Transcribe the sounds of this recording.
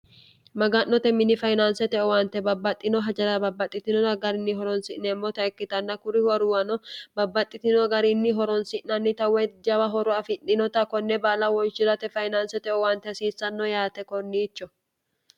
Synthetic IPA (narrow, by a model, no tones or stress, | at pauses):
mɐɡɐnːɔt̪ɛmɪnɪfɐjnansɛt̪ɛʔɔwant̪ɛbɐbːɐt̪ʼːɪnɔɦɐd͡ʒɐlɐbɐbːɐt̪ʼːɪt̪ɪnɔɐɡɐɾɪnːɪɦɔɾɔnsɪʔnːɛmːɔt̪ɐɛkːɪt̪ɐnːɐkʊɾɪwɐɾʊwɐnɔbɐbːɐt̪ʼːɪt̪ɪnɔɡɐɾɪnːɪɦɔɾɔnsɪʔnɐnːɪt̪ɐwɛd͡ʒɐbɐɦɔɾɔɐfɪnːɪnɔt̪ɐkɔnːɛbaːlɐwɔnʃɪɾɐt̪ɛfɐjnaːnsɛt̪ɛʔɔwaːnt̪ːɛɐsiːsːɐnːɔjaːt̪ɛkɔnːiːt͡ʃːɔ